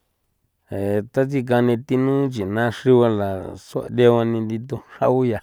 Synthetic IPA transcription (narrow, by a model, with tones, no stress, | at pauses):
e˨t̪a˦t͡ʃi˧k̬a˧nĩ˧t̪i˧nũ˦t͡ʃi˨nã˦ʂi˦βa˧la˨so˦a̰˧d̪e˦˧a˧nĩ˧nd̪i˧t̪̬u˦˧ʂa˦u˦ja˨